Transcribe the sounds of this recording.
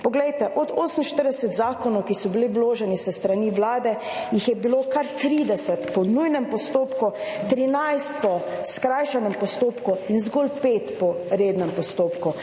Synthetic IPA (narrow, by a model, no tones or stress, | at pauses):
pɔɡlɛjt̪ɛʔɔd̪oːsəm̩ʃt̪əɾd̪ɛsɛt̪zaːkɔnɔwkisɔbiliwloːʒɛnisəst̪ɾaniʋlaːd̪ɛ | jixjɛbilokaɾt̪ɾiːd̪ɛsɛt̪pɔnujnɛmpɔst̪oːpkut̪ɾinajst̪̚pɔskɾajʃɛnɛmpɔst̪oːpkuinzɡɔlpeːt̪pɔɾeːd̪nɛmpɔst̪oːpku